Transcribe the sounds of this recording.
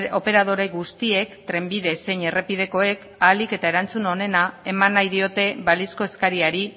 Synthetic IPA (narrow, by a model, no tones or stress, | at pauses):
o̞pe̞ɾað̞o̞ɾe̞ɣust̪ie̞kt̪ɾe̞mbiðe̞se̞jɲe̞re̞pið̞e̞ko̞e̞k | alike̞t̪ae̞ɾant͡suno̞ne̞nae̞manːajðio̞t̪e̞βalisko̞e̞skaɾiaɾi